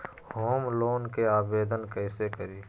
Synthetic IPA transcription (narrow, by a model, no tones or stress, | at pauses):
hoːmloːnkeaːbeːd̪ənkɛɪsekəɾiː